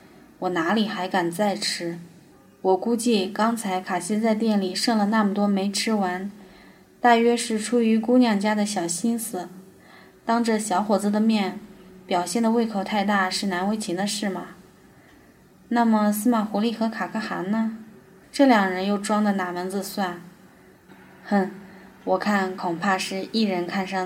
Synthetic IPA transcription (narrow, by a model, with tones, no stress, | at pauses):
wɔ˨˩na˧˥li˨˩xa˧˥ɪka˨˩nt͡sa˥˩ɪʈ͡ʂʰɻ̩˥ | wɔ˨˩ku˥t͡ɕi˥˩kɑ˥ŋt͡sʰa˧˥ɪkʰa˨˩ɕi˥t͡sa˥˧ɪt̪jɛ˥˩nli˨˩ʂɤ˥˩ŋlə˩na˥˩mə˩t̪wɔ˥me˧˥ɪʈ͡ʂʰɻ̩˥wa˧˥n | t̪a˥˩ɥɛ˥ʂɻ̩˥˩ʈ͡ʂʰu˥y˧˥ku˥njɑ˥˩ŋt͡ɕja˥d̪ə˨ɕjɑ˨˩ʊɕi˥nsɹ̩˨˩ | t̪ɑ˥ŋʈ͡ʂɤ˥˩ɕjɑ˧˥ʊxwɔ˨˩t͡s̩˥d̪ə˨mjɛ˥˩npjɑ˨˩ʊɕjɛ˥˩nd̪ə˩we˥˩ɪkʰo˨˩ʊt̪ʰa˥˧ɪt̪a˥˩ʂɻ̩˥˩na˧˥nwe˧˥ɪt͡ɕʰi˧˥d̪ə˧ʂɻ̩˥˩mɐ˩ | na˥˩mə˩sɹ̩˥ma˨˩xu˧˥li˥˩xɤ˧˥kʰa˨˩kʰɤ˧˥xa̰˧˥nnə˧ | ʈ͡ʂɤ˥˩ljɑ˨˩ŋɻə˧˥njo˥˩ʊʈ͡ʂwɑ˥ŋd̪ə˨na˨˩mə˧˥nt͡sɹ̩˧swa˥˩n | xə˥˩wɔ˨˩kʰa˥˩nkʰʊ˨˩ŋpʰa˥˧ʂɻ̩˥˧i˥˩ɻə˧˥nkʰa˥˧nʂɑ˥˩